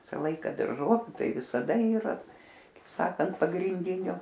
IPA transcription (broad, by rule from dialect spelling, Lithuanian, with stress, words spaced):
ˈʋʲɪsɐ ˈlˠɐɪkɐ dɐrˈʒoːʋʲʊ ˈtɐɪ ʋʲɪsɐˈdɐ iːˈrɐ kɐɪp ˈsɑːkɐnt pɐɡrʲɪnʲˈdʲɪnʲoː